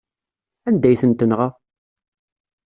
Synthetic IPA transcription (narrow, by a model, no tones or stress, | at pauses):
ænd̪æjθənt̪ənʁa